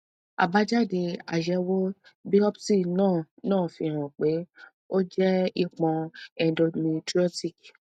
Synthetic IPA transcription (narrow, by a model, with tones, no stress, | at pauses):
a̰˨ba˦d͡ʒa˦˨de˧a̰˨ʃɛ˨˧wo˦bi˦ɔ˦psi˦˨nãː˦˨nãː˦˨fi˧ɾ̃ã˨k͡pe˨˦ | o˦d͡ʒɛ˦i˧k͡pɔ̃˧ɛ˧do˧nĩ˧tɾi˦o˦ti˦˨k